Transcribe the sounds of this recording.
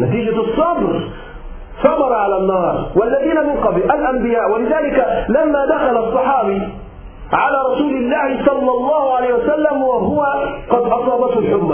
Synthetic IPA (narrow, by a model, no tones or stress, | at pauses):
nat̪iːd͡ʒasˤːɑbɾ | sˤɑmɑɾˤʕalanːɑːɾˤwalːaðiːnamɪnqɑblʔalʔambɪjaːʔwalɪðaːlɪkalamːaːd̪axalaɑsˤːɑħɑːbi | ʕalaːɾˤɑsuːlɪlːaːhɪsˤɑlːɑlˤːɑːhʊʕalajhuwasalːamwaɦʊwaqɑd̪ʔɑsˤɑːbɑt̪hʊlħʊmːa